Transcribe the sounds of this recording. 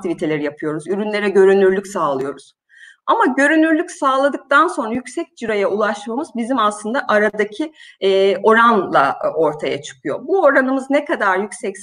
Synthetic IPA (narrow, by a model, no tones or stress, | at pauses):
t̪ʰivit̪ʰe̞lʲeɾijapʰɯjo̞ɾuzyɾynlʲe̞ɾɛɟø̞ɾynyɾlʲycsaːlˠɯjo̞ɾuz̥ | amaɟø̞ɾynyɾlʲycsaːlˠad̪ɯk̚t̪ʰanso̞nɾajycsɛc̚d͡ʒiɾajaʔulˠaʃmamɯzbizimaslˠɯnd̪aʔaɾad̪acʰi | o̞ɾanlˠa̰o̞ɾt̪ʰaja̰t͡ʃʰɯ̥kʰɯjo̞̰buo̞ɾanɯmɯznekad̪aɾjycsɛcs